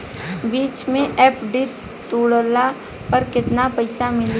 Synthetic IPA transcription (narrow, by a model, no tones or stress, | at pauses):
biːt͡ʃmẽʔɛːpɖi | t̪uːɽola | pɐɾkɪt̪napɐɪsamɪl